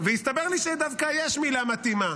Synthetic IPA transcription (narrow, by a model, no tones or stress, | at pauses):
vejist̪abeʁliʃed̪avkajeʃmilamat̪ima